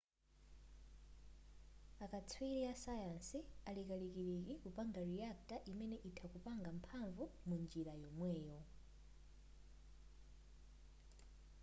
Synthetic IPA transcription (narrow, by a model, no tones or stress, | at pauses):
akat͡sʰwiɾiasajansialikalikiɾikikupaŋɡaɾiak̚taʔimɛnɛʔitʰakupaŋɡam̩pʰaɱvumund͡ʒiɾajɔmwɛːjɔ